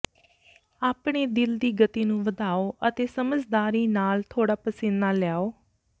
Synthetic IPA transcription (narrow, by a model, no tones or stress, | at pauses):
aːpɳeːd̪ɪld̪iːɡət̪iːnũːʋəd̪aːoːʔət̪eːsəməd͡ʒd̪aːɾiːnaːlt̪ʰoːɽaːpəsɪnnaːljaːoː